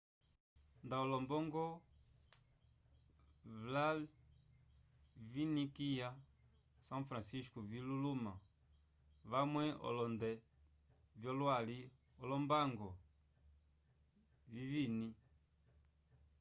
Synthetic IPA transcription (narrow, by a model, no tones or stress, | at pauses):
ndaɔlɔmbɔŋɡɔ | vla | vinikija | sãfɾãsiskɔviluluma | vamwɛɔ̰lɔndɛ | vjɔlwali | ɔlɔmbaŋɡɔ | vivini